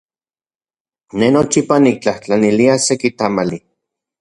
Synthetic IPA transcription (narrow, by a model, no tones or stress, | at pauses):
nenot͡ʃipanik̚t͡ɬaht͡ɬaniliasekit̪amali